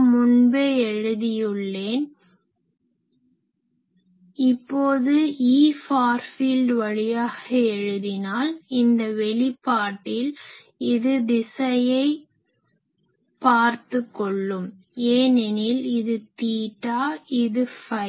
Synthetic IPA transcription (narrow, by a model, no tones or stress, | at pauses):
mʊnbeːɛɻɯðɪjɯɭːeːn | ɪpːoːðɯiːfaːɾfiːlɖʋɐɻɪjaːɣɐɛɻɯðɪnaːlɪnd̪ɐʋɛɭɪpːaːʈːɪl | ɪðɯd̪ɪsɐjɐɪ | paːɾt̪ɯkːɔɭːɯm | eːnɛnɪlɪðɯt̪iːʈːaːɪðɯfɐɪ